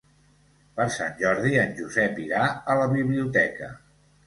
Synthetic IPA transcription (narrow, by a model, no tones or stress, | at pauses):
pəɾsa̰nʲʒɔɾðiənʲʒuzɛpiɾaələβiβliut̪ɛkə̰